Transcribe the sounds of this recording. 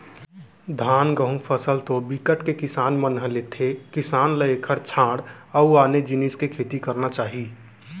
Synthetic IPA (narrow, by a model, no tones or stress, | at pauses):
d̪ʱaːnɡəɦũpʰəsəlt̪obikəʈkekɪsaːnmənɦəlet̪ʰekɪsaːnləekʰəɾt͡ʃʰãːɽ | əuaːned͡ʒiniskekʰeːt̪ikəɾnat͡ʃaːɦi